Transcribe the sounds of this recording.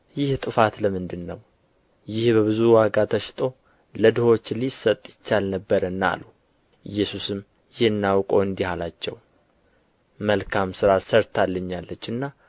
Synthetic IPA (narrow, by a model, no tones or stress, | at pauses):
jɪht̪ʼɨfat̪ləmɨnd̪ɨnːəw | jɪhbəβɨzuwaɡat̪ʰəʃt̪ʼo̞ | ləd̪ɨho̞t͡ʃːlisət̪ʼːjɪt͡ʃːalnəbːəɾənːa̰lu | ɨjːɛsusɨm | jɪhɨnːawkʼo̞ɨnd̪ihalat͡ʃːɛ̰w | məlkʰamsɨɾasəɾt̪ʰalːəɲːalːət͡ʃːɨnːa